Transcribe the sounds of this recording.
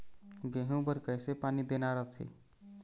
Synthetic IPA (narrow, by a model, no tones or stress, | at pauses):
ɡeɦũbəɾkəjsepanid̪enaɾəɦt͡ʃʰḭ